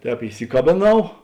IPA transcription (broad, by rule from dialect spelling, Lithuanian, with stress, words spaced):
ˈtʲɛːp ɪˈsʲɪkɐbʲeːˌnɐʊ